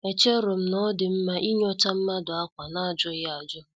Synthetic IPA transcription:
e˨t͡ʃe˦ɾʊ˨m̩˦nɔ˦dɪ˨m̩˦ma˦ʔi˦ɲ˦ɔ˦ta˦m̩˦ma˦dʊ˨a˦kʷa˨na˦˨d͡ʒʊ˦ɣɪ˦a˨d͡ʒʊ˦

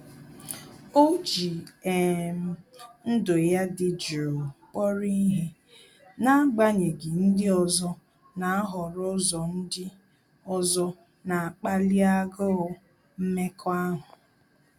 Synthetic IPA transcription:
o˦d͡ʒi˨e˨m̩˨n̩˦do˨ja˦dɪ˨d͡ʒi˨ɾo˨k͡pɔ˦ɾi˦ɦe˦ | na˦a˦ɡ͡ba˦ɲe˨ɡɪ˨n̩˦dɪ˦ɔ˨zɔ˦ | na˨a˦ɦɔ˨ɾɔ˦zɔ˨n̩˦dɪ˦ | ɔ˨zɔ˦ | na˨a˨k͡pa˦li˦a˦ɡɔ˦ | m̩˦me˦kʰɔ˦a˦ɦʊ˨

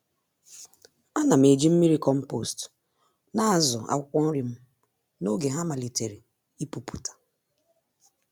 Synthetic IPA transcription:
a˦na˨m̩˨e˨d͡ʒi˦m̩˦mi˦ɾi˦kɔ˦m̩˦po˦˨st | na˦a˦˨zɔ̰˨a̰˦kʷɔ˦n̩˦ɾi˨m̩˦ | no˦ɡe˨ɦa˦ma˨li˨te˨ɾi˨ | i˦pu˨pu̥˨tʰḁ˨

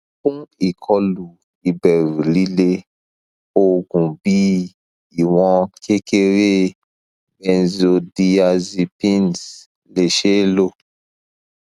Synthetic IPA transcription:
kũ˦i˨kʰɔ˦lu˨ | i˨bɛ˨ɾli˦le˦ | o˦ɡũ˨bi˦ | i˨wɔ̃˦kʰe˦ke˦ɾe˦ | bɛ̃˨zo˨di˨a˨zi˨pĩ˦ns | le˨ʃe˦lo˦

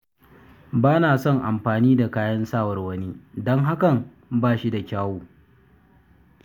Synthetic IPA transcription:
baː˦naː˨sɔ˦ŋʔa˨mɸaː˨niː˦da˨kaː˦jɐ˦nsaː˦˨wɐ˨rwɐ˦niː˦dɔ˦ŋɦa˦kɐ˨ŋ | baː˦˨ʃi˦da˨kʲaː˦woː˦

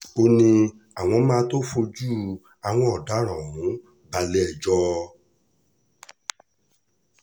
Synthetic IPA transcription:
o˧nĩ˧ | a˨w̃ɔ̃˧mãː˦to˦fo˧d͡ʒuː˦˨ | a˧w̃ɔ̃˧˦ɔ˨da˨˦ɾ̃ɔ̃˨ũ˨˦ | ba˧lɛ˦ɛ˦˨d͡ʒɔ˦

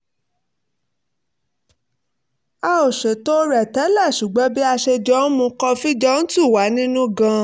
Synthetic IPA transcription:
a˧o˨ʃe˨to˦ɾɛ˨tɛ˨˦la˦˨ʃu˨ɡ͡bɔ˨˦bi˦a˧ʃe˧d͡ʒɔ˦n̩˦mũ˧kɔ˧fi˦d͡ʒɔ˦n̩˦tu˦˨wa˨˦nĩ˦nũ˦ɡã˧

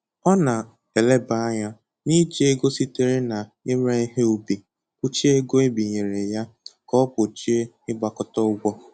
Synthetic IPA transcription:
ɔ˦na˨ | e˨le˦ba˨a˦ɲa˦ | ni˦d͡ʒe˦ɡo˦si˦te˦ɾe˦na˨ | e˦m˦e˦i˦ɦe˦u˦bi˨ | kʷu˦t͡ʃi˦e˦ɡo˦e˦bi˨ɲe˨ɾe˨ja˦kɔ˦pʊ˨t͡ʃi˦e˦ | ɪ˦ɡ͡ba˨kɔ˦tɔ˦ʊ˦ɡʷɔ˦

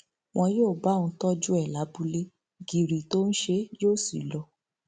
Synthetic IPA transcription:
w̃ɔ̃˧joː˦˨ba˨˦˨nũ˧˦tɔ˦d͡ʒu˦ɛ˦˨la˨˦bu˧le˦ | ɡi˨ɾi˨to˦ñ̩˦ʃe˧joː˦˨sḭ˨lɔ˨˧

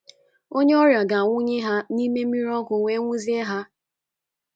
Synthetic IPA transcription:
o˦ɲe˦ɔ˦ɾja˨ɡa˨ŋʷʊ˦ɲe˦ɦa˦ni˦me˦mi˦ɾɔ˦ɡʷʊ˨ŋʷe˦ŋʷu˦zi˦e˦ɦa˦

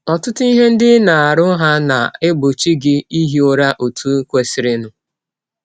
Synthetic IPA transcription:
ɔ˨tʊ˦tʊ˦i˦ɦe˦n̩˦dɪ˦na˨a˨ɾʊ˦ɦa˦na˨ɪ˦bo˨t͡ʃi˦ɡɪ˦i˦ɦi˦o˨ɾa˦ʔo˨tʰu˦kʷe˦sɪ˨ɾɪ˦nʊ˨

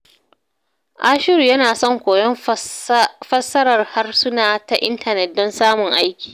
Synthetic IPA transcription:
ʔaː˦ʃɪ˦ɾu˨jɐ˦naː˨sɔ˦˨ŋkʷoː˨jɔ˦m | fɐ˦sɐ˦ɾɐ˨rha˦rsʊ˦naː˨ta˨ʔɪ˦ntʰɐ˨nɛ˨t̚dɔ˦nsaː˦mʊ˨ŋʔa˦jkʲi̥ː˨

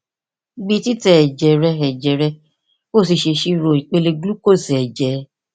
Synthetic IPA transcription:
ɡ͡bĩ˧ti˦tɛ˨ɛ˨d͡ʒɛ˨ɾɛ˧ɛ˨d͡ʒɛ˨ɾɛ˧ | ko˦˨si˧ʃe˧ʃi˦ɾo˨i˨k͡pe˧le˧ɡlu˦ko˦˨sɛ˨ɛ˨d͡ʒɛ˨˦

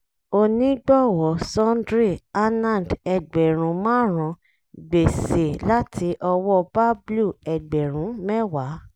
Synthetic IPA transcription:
o˧nĩ˦ɡ͡bɔ˦˨wɔ˨˦sɔ̃˦ndɾe˦˨a˦nã˦˨dɛ˨ɡ͡bɛ˨ɾ̃ũ˨˦mãː˦ɾ̃ã˧ | ɡ͡be˨se˨la˦tʰi˧˦ʔɔ˧wɔ˦˧ba˦blu˦˨ɛ˨ɡ͡bɛ˨ɾ̃ũ˨˦mɛ˦wa˨˦

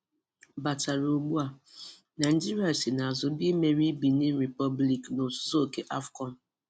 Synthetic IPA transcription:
ba˨ta˨ɾo˨ɡ͡bu˦a˨ | na˨d͡ʒi˦ɾi˦a˨si˨na˨a˨zʊ˨be˦me˦ɾi˦bi˨ni˦ɾi˨pɔ˦bli˨kno˨sʊ̥˦so˦o˨ke˨ʔa˦fkɔ˨n̩˨

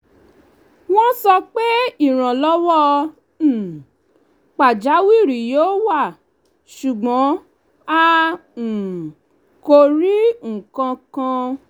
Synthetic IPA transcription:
w̃ɔ̃˦sɔ˧k͡pe˦i˦˨ɾ̃ã˨lɔ˦wɔ˦˨ | k͡pa˨d͡ʒa˨˦wi˦˨ɾi˨joː˦wa˦˨ | ʃu˨ɡ͡bɔ̃˨˦ | ã˦˨ | ko˧ɾi˦ŋ̩̃˨kã˧kã˧

